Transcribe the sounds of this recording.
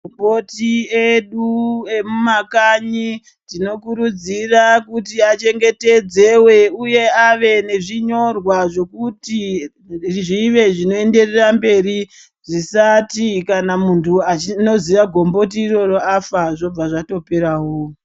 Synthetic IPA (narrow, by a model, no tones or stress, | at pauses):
ombotieɗue̞mumakaɲi | tino̞kuɾud͡zirakutiat͡ʃe̞ŋɡe̞te̞d͡ze̞we̞uje̞aʋe̞ne̞ʐiɲo̞rwaʐo̞kuti | rʐiʋe̞ʐino̞e̞nde̞rerambe̞ɾi | ʐ̥isatikanamuntʰuat͡ʃino̞ziʋaɡʱo̞mbo̞t̬iːro̞ro̞afaʐo̞b͡vaʐato̞pe̞ɾaɦoː